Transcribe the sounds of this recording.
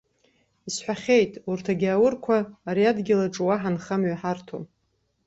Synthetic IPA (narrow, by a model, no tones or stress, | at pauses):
isħʷᶣaχʲe̞jtʼurtʰaɡʲaːwʊrkʷʰaːɾiadɡʲɪlaʈ͡ʂʼwaħanχamɥaħartʰom